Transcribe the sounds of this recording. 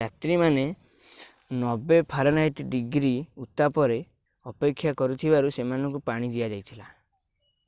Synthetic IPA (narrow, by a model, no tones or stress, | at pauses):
at̪ɾimane | nɔbepʰaɾɔnajʈɖiɡɾiut̪apɔɾe | ɔpekʰːjakɔɾut̪ʰibaɾusemanɔŋkupaɽ̃id͡ʒ̪iad͡ʒajt̪ʰila